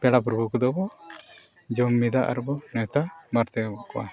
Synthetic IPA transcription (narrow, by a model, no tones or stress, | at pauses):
pɛɽap̬ɾɔbʱukɔd̪ɔbɔ | d͡ʒɔmːid̪aʔa̰ɾbɔnɛt̪amaɾt̪ɛbɔʔkɔwa